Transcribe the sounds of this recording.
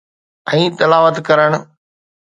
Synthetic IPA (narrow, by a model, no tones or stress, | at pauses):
ɛ̃ːt̪ɪlaːʋət̪kɐɾəɽ̃̆